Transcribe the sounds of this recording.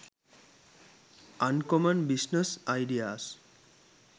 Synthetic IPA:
ankɔmənbisnesajɖias

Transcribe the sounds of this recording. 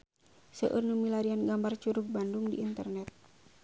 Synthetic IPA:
sə̰ʔɨrnumilaɾianɡambart͡ʃuɾuk̚banduŋdiːnt̪ərnɛt̪̚

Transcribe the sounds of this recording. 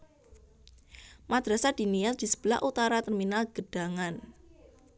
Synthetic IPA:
mad̪̥ɾasad̥i̤niɛsd̥isə̥b̥əla̰hʔut̪aɾat̪ərminalɡ̥əɖ̥a̤ŋan

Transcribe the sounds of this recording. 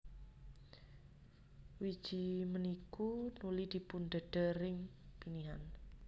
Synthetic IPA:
wid̥ʒ̥i̤mənikunulid̪̥i̤punɖ̪ə̤ɖ̥ə̤rɪŋpiniɦan

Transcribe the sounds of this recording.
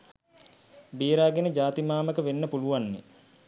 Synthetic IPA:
biːɾaːɡenəd͡ʒaːt̪imaːməkəʋenːəpuluʋanːḛ

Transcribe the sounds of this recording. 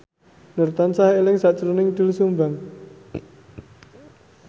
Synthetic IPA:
nərt̪ansahelɪŋsaʔt͡ʃɾunɪŋd̪̥ulsumbaŋ

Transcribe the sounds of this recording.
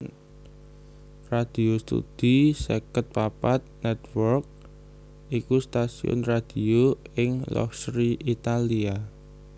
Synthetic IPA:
rad̪̥i̤ost̪ṵd̪̥isekət̪̚papat̪̚nɛt̪wɔrk̚ | ʔikust̪asḭʊ̰nrad̪̥ioɪŋlɔ̰fsɾiʔit̪alia

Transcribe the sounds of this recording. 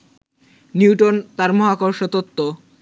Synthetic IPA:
niwʈont̪aɾmɔɦakoɾʃot̪ot̪ːo

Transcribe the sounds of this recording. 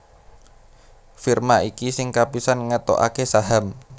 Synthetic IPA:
firmaikisɪŋkapisanŋət̪o̰ʔa̰kesaɦam

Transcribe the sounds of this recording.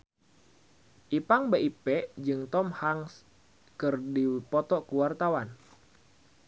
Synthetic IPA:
ʔipaŋbeʔipɛd͡ʒɨŋt̪ɔmhaŋs | kɨrdipɔt̪ɔkuwart̪awan

